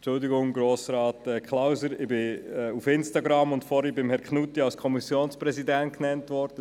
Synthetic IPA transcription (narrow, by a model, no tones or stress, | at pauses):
t͡ʃʊldiɡʊŋɡɾoːsɾɑːtɛkʰlawsəɾɪbɪɛufɪnstɑɡɾɑmʊntfɔɾibɪmhɛɾkχnutːiɑlskʰɔmisjoːnspɾɛzidɛnt̚knɛntʋɔɾdə